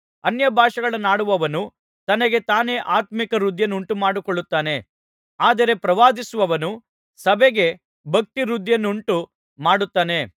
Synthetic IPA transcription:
ɐnjɐbʱaːʂɐɡɐɭɐnaːɽuʋɐʋɐnu | t̪ɐnɐɡe̞t̪aːne̞ːʔaːt̪mikɐɾud̪ʱjɐnːuɳʈumaːɽukoɭːut̪ːaːne̞ | aːd̪ɐɾe̞pɾɐʋaːd̪isuʋɐʋɐnu | sɐbɛɡe | bʱɐk̚t̪iɾud̪ʱjɐnːuɳʈu | maːɽut̪ːaːne̞

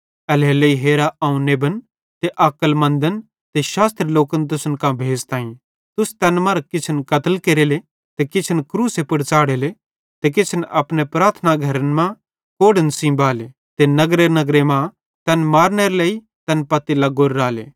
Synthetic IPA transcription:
ɐleleiɦeːɾaʔɐũneːbən | t̪eʔɐkəlmɐ̃nd̪ən | t̪eʃaːst̪ɾeloːkənt̪̬ʊsənkãbʱeːd͡zt̪ãːĩ | t̪ʊst̪ɛːnmɐ̃ɾkɪt͡ʃʰənkɐt̪əlkeːɾeːle | t̪ekɪt͡ʃʰənkɾuːsepʊɽt͡saːɽeːle | t̪ek̬ɪt͡ʃʰənʔɐpnepɾaːɾt̪ʰnaɡʱɐɾənmã | koːɽənsĩːbaːle | t̪enɐɡɾenɐɡɾemã | t̪ɛnmaːɾneɾlei | t̪ɛnpɐt̪ilɐɡoːɾːaːlḛː

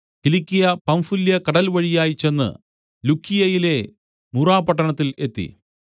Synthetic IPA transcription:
kilikʲːijɐpɐmfuljɐkɐɽɐlʋɐɻijaːjit͡ɕːe̞nːɨ̰ | lukːijɐjile̞ | muraːpɐʈːɐɳɐt̪ːile̞t̪ːḭ

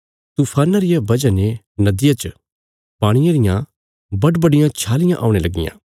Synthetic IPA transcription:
t̪uːpʰaːnaɾɪjabɐd͡ʒane | nɐd̪ɪjat͡ʃ | paːɽ̃ɪjãɾɪjã | bɐɖbɐɽɪjãt͡ʃʰaːlɪjãʔa̰ːũɽ̃elɐɡɪ̰jã̰ː

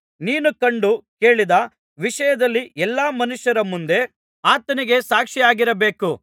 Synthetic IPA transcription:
niːnukɐɳɖuke̞ːɭid̪ɐ | ʋiʂɐjɐd̪ɐlːiʔɛlːaːmɐnuʂjɐɾɐmund̪e̞ | aːt̪ɐniɡe̞saːkʂijaːɡiɾɐbe̞ːku

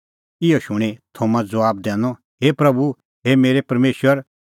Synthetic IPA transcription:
ɪɔʃʊɽ̃et̪ʰomãd͡zɐwaːb̚d̪ɛ̃ːnɔ | ɦeːpɾɐbu | ɦeːmeːɾepɐɾmeːʃwəɾ

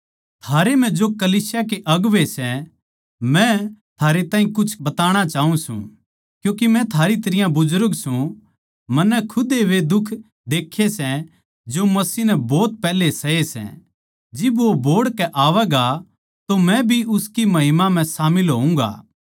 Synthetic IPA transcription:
t̪ʰaːɾem̤ɛ̃d͡ʒokɐliːsjak̬eʔɐɡʋesɛ | mɛ̃t̪ʰaːɾet̪aːĩkʊt͡ʃʰbɐt̪aːɽ̃at͡ʃaːũsṵ̃ | kjũːk̬imɛ̃t̪ʰaːɾit̪ɐɾɪjãbʊzʊɾəɡsũ | mɐnːɛkʰʊd̪eʋed̪ʊkʰ | d̪eːkʰːesɛ | d͡ʒomɐsiːnɛbɔːt̪̚pɛːlesɐesɛ̰̃ | d͡ʒɪbʋobʱoːɽkɛʔaːʋɛɡa | t̪omɛ̃bʱiʔʊskimɐɦɪmam̤ɛ̃saːmɪlɦoːũŋɡa̰ː

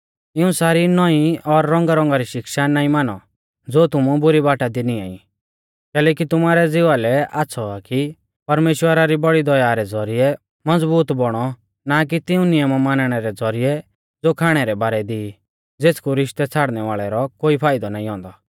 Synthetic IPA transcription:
ɪũsaːɾinɔĩɔɾːɔ̃ŋɡaɾɔ̃ŋɡaɾiʃɪkʃanaːĩmaːnɔ | d͡zoːt̪ʊmubʊɾibaːʈad̪ɪnia̰ːḭ̃ | kɛːlɛːkit̪ʊmaːɾɛd͡zɪʋalɛaːsʰɔaki | pɐɾmeːʃwəɾaɾibɔɽid̪ɔjaːɾɛd͡zɔɾiɛ | mɐd͡zbuːt̪bɔɽ̃ɔ | nak̬it̪ɪũnɪjəmamaːnɽ̃ɛɾɛd͡zɔɾiɛ | d͡zoːkʰaːɽ̃ɛɾɛbaːɾɛd̪iː | d͡zeːt͡skuɾɪʃt̪ɛt͡sʰaːɽnɛʋaːɭɛɾɔkoːipʰaːɪd̪ɔnaːĩɦɔ̃ːnd̪ɔ

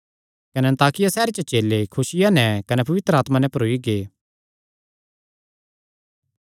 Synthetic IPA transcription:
kɐnɛɐ̃nt̪aːkɪjasɛːɾet͡ʃət͡ʃeːlekʰʊsɪjanɛkɐnɛpɐʋɪt̪ɾəaːt̪manɛ̃pɐɾoːiɡeː

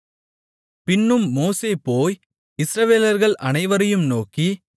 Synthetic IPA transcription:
pɪnːɯmːoːseːpoːj | ɪsɾɐʋeːlɐɾɣɐɭʔɐnɐɪʋɐɾɐjɯmnoːki

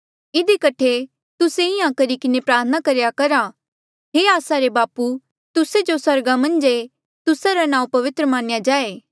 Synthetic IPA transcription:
ɪd̪ikɐʈʰe | t̪ʊseiãːkɐɾikɪnepɾaːɾt̪ʰənakɐɾjakɐɾa | ɦeːaːsaɾebaːpu | t̪ʊsed͡ʒosɐɾɡamɐ̃nd͡ʒe | t̪ʊsaɾanãːũpɐʋɪt̪ɾəmãːnɪjad͡ʒaːeː

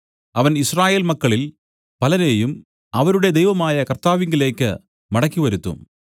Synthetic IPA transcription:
ɐʋɐnisraːje̞ːlmɐkːɐɭil | pɐlɐne̞ːjum | ɐʋɐɾuɽe̞d̪ejʋɐmaːjɐkɐrt̪aːʋiŋɡile̞ːkːɨ̰ | mɐɽɐkːiʋɐɾut̪ːṵm

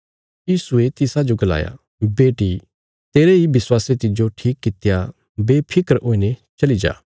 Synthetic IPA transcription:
jiːsuet̪ɪsad͡ʒoɡɐla̰ːja̰ | beːʈi | t̪eːɾeɦibɪswaːset̪ɪd͡ʒoʈʰiːkːɪt̪ja | beːpʰɪkəɾoːinet͡ʃɐlid͡ʒa̰ː

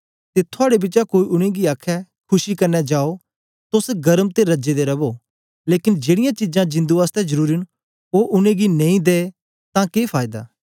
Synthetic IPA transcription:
t̪et̪ʰʊaːɽebɪt͡ʃakoːiʔʊɽ̃ẽɡiaːkʰɛ | kʰʊʃikɐɾnɛd͡ʒaːo | t̪ʊsɡɐɾəmt̪eɾɐd͡ʒed̪eɾɐboː | leːkɪnd͡ʒeːɽɪjãt͡ʃɪd͡ʒãd͡ʒɪ̃nd̪uaːst̪ɛd͡ʒɐɾuːɾin | oːʔʊñẽɡinɐ̃ĩd̪eː | t̪ãkeːpʰaːɪd̪a̰ː

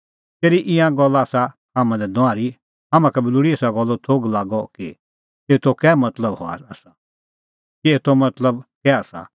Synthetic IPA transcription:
t̪eːɾiʔɪ̃jãɡɔlːaaːsa | ɦamãlɛd̪ʊ̃ãːɾi | ɦɐmãkɛbɪluɽiesaɡɔlːɔt̪ʰoːɡlaːɡɔki | eːt̪ʰokɛːmɐt̪ləbɦɔ̰a̰ɐsa | kieːt̪ʰomɐt̪ləbkɛasa̰

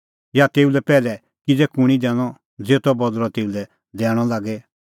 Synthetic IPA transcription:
jat̪eːulɛpɛːlɛ | kid͡zɛkʊɽ̃id̪ɛːɽ̃ɔ | d͡zeːt̪ɔbɔd̪ɾɔt̪eːulɛ | d̪ɛːɽ̃ɔlaːɡɛ

